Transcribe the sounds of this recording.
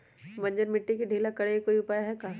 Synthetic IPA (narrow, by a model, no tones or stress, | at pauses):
mɐ̃nd͡ʒəɾmɪʈːikiɖʱiːlakɐɽeekoːiʊpaːjaɦɛka